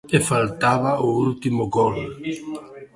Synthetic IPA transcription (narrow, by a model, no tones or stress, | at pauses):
efalt̪aβaoult̪imoɡol